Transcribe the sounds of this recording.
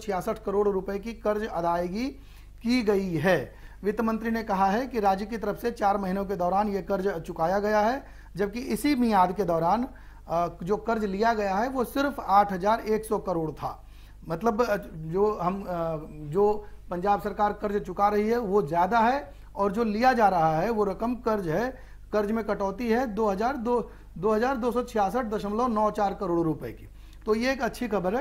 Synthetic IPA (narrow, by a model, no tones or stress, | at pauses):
t͡ʃʰɪjaːsəʈʰkɐɾoːɽɾʊpəekikɐɾd͡ʒɐd̪aːeɡi | kiɡɐiɦɛːʋɪt̪əmə̃nt̪ɾinekɐɦaɦɛkiɾaːd͡ʒjəkit̪ɐɾəfset͡ʃaːɾmɐɦinõk̬ed̪ɔːɾaːnjekɐɾd͡ʒt͡ʃʊkaːjaɡɐjaɦɛ | d͡ʒɐb̚kiʔɪsimijaːd̪ked̪ɔːɾaːn | d͡ʒoːkɐɾd͡ʒlijaɡɐjaɦɛʋosɪɾfaːʈʰɦɐzaːɾeːksɔkɐɾoːɽt̪ʰa̰ː | mɐt̪ləbd͡ʒoːɦɐm | d͡ʒoːpɐ̃ɲd͡ʒaːbsɐɾkaːɾkɐɾd͡ʒt͡ʃʊkaɾɐɦiɦɛʋozjaːd̪aɦɛ | ɔːɾd͡ʒoːlijad͡ʒaːɾɐɦaɦɛʋoɾɐkəmkɐɾd͡ʒɦɛ | kɐɾd͡ʒmẽkɐʈɔːt̪̬iɦɛd̪oːɦɐzaːɾd̪o | d̪oːɦɐzaːɾd̪oːsɔt͡ʃʰɪjaːsəʈ̚d̪ɐʃəmlonɔːt͡ʃaːɾkɐɾoːɽɾʊpəḛki | t̪ojeeːkɐtːʃʰixɐbəɾɦɛ